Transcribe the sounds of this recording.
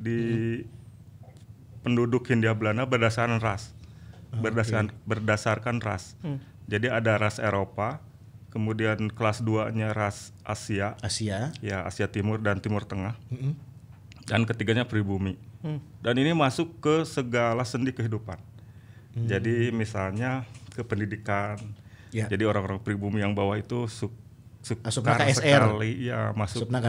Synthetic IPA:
di | pəndudʊkhindiablanabərdasaɾanras | bərdasanbərdasarkanra̰s | d͡ʒadiadaɾaseɾopa | kəmudiankəlasduaɲaɾas | ʔa̰siaasiajaa̰siat̪imʊrdant̪imʊrt̪əŋah | dankət̪iɡaɲapɾibumidaninimasʊkːəsəɡalasəndikəɦidupan | d͡ʒadimisalɲakəpəndidikan | d͡ʒadioɾaŋoɾaŋpɾibumijaŋbawahit̪usu | sukaaɾsəalija̰masʊna

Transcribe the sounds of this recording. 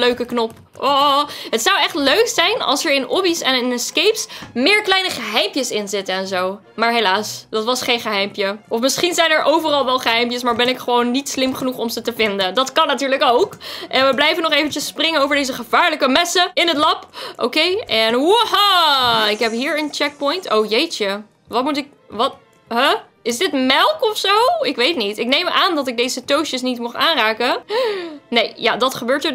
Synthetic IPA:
løɥkəknɔp | ɔɦətsɑwɛχtløɥksɛjnɑ̰lˠsəɹɪnɔbisɛnɪnskejpsmɪːɹklɛjnəχəɦɛjmpjəsɪnzɪtəɛnzow | maːɹɦejlaːsd̥ɑtʋɑsχejnχəɦɛjmpjəɔfmɪsχinzɛjnɛɹʔowvərɑlˠʋɛlˠχəɦɛjmpjəsmaːɹbɛnɪkχəʋownːitslɪmχənuχɔmzətəvɪndəndɑtkɑnːatyːɹləkowkʔɛnʋəblɛjvənɔχejvənt͡ʃəsprɪŋənowvəɹdejzəχəvaːɹləkəmɛsəɪnətlɑpʔo̰kejʔɛnuhaɪkɦɛpɦiːɹənt͡ʃɛk̚pɔjntowjejt͡ʃə | ʋɑtmutɪk̚ | ʋɑt | ɦə | ɪzdɪtmɛlˠkɔfsowɪkʋejtnitɪk̚nejməʔaːndɑtɪɡ̚dejzətowʃəsnitmʊχaːnraːkə | nejjadɑtχəbøːɹtə

